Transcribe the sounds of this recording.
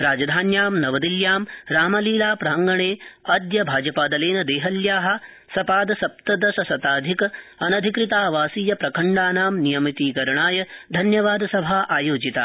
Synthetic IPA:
ɾaːd͡ʒɐd̪ʱaːnjaːmnɐʋɐd̪iljaːmɾaːmɐliːlaːpɾaːɐŋɡɐɳeːɐd̪jɐbʱaːd͡ʒɐpaːd̪ɐleːnɐd̪eːɦɐljaːɦɐ̆ | sɐpaːd̪ɐsɐp̚t̪ɐd̪ɐsɐsɐt̪aːd̪ʱikɐɐnɐd̪ʱikɾit̪aːʋaːsiːjɐpɾɐkʰɐɳɖaːnaːmnijɐmit̪iːkɐɾɐɳaːjɐd̪ʱɐnjɐʋaːd̪ɐsɐbʱaːʔaːjoːd͡ʒit̪aː

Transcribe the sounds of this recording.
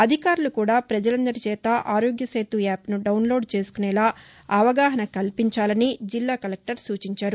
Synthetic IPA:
ɐd̪ʱikaːɾulukuːɽaːpɾɐd͡ʒɐlɐnd̪ɐɾit͡ʃɛːt̪ɐʔaːɾoːɡjɐsɐjt̪uaːpnuɖɐwnlo̞ːɖt͡ʃe̞ːsu̥kunɛːlaː | ɐʋɐɡaːɦɐnɐkɐlpiɲt͡ʃaːlɐnid͡ʒilːaːkɐlek̚ʈɐɾsuːt͡ʃiɲt͡ʃaːɾu

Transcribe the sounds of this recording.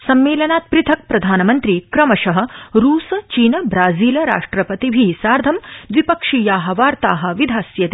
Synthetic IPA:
sɐmːeːlɐnaːt̪̚pɾɪt̪ʰɐk̚pɾɐd̪ʱaːnɐmɐnt̪ɾiːkɾɐmɐʃɐɦɐ̆ɾuːsɐt͡ʃiːnɐbɾaːziːlɐɾa̰ːʂʈɾɐpɐt̪ibʱiːsaːɾd̪ʱɐmʋipɐkʂiːjaːɦɐ̆ʋaːɾt̪aːɦɐ̆ʋid̪ʱaːsjɐt̪

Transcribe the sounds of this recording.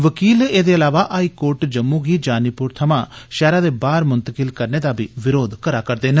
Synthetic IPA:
ʋəkiːleːd̪eːəlaːʋaːʔaːiːkoːɾʈd͡ʒəmːũːɡiːd͡ʒaːniːpʊɾt̪ʰəmãːʃɛːɾaːd̪eːbaːɾmʊnt̪əkɪlkəɾneːd̪aːbʱiːʋɪɾoːd̪kəɾaːkəɾd̪eːnə

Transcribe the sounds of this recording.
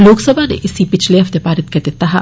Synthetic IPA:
loːksɐbʱanḛʔɪsipɪt͡ʃʰleɦɐft̪epaːɾɪt̪̚kɐɾd̪et̪aɦa

